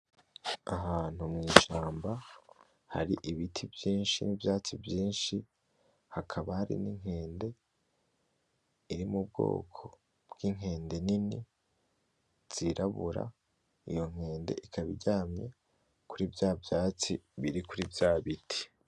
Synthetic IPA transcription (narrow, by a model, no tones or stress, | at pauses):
aɦaːn̥humŋiːʃaːmba | haɾḭʔiβitʰivjiːnʃinivjaːt͡sivjiːnʃi | hakʰaβahaɾḭniŋ̥he̞ːnde̞ | iɾimub̚ɡo̰ːkʰo̞ | bɡ̥iŋ̥e̞ːnde̞nini | z̥iɾaβuɾa̰ | ijo̞ŋ̥e̞ːnde̞̰ʔikʰaβiɟaːmɲe̞ | kuɾibjaːbjaːt͡siβiɾikuɾivjaːβitʰi̥